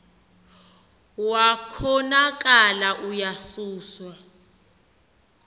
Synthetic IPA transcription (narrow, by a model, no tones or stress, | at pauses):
wakʰɔnak̬ʼalaʔujasuːswa